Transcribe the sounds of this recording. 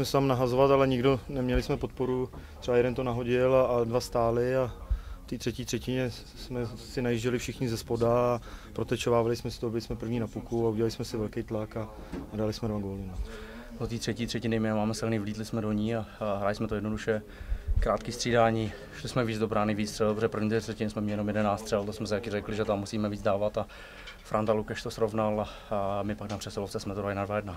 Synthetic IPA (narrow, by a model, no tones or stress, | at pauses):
mɛsɛt̪amnaɦazovat̪alɛɲɪɡdo̞nɛmɲɛlɪsmɛpo̞t̪̚po̞ɾut̪r̥ɛbajɛdɛnt̪onaɦo̞ɟɪladvast̪aːlɪaft̪iːt̪r̝̥ɛciːt̪r̥ɛcɪɲɛ | smɛsɪnajiʒɟɛlɪfʃɪxɲɪzɛspodaːpɾot̪ɛt͡ʃovaːvalɪsmɛsɪt̪oobɪlɪsmɛpr̩vɲiːnapukuauɟɛlalɪsmɛsɪvɛlkɛjt̪laka | nadalɪsmɛdvaɡolɪna | dot̪iːt̪r̥ɛciːt̪r̝̥ɛcɪnɪmɪnamaːmɛsɪlniːvliːt̪lɪsmɛdoɲiːaɦɾalɪsmɛt̪ojɛdnoduʃɛ | kɾaːt̪kist̪r̥iːdaːɲiː | ʃlɪsmɛviːd͡zdobɾaːnɪviːt͡st̪rɛbatpoʒɛpɾr̩vɲiːt̪ɛt̪r̥ɛcɪnɪsmɛmɪjɛnomjɛdɛnaːt͡st̪r̥ɛlt̪osmɛs̬akɪrɛklɪʒɛt̪amːusiːmɛviːd͡zdaːvat̪a | fɾʔant̪alukɛʃt̪osɾovnala | mɪpaknapr̥ɛsɛloft͡sɛsmɛt̪oɾalɪnadvajɛdna